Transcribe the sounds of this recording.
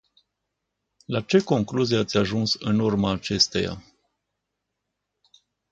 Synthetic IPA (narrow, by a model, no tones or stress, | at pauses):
lat͡ʃe̞ko̞ŋkluzieat̪sʲaʒunsɨnurmaːt͡ʃe̞st̪eja̰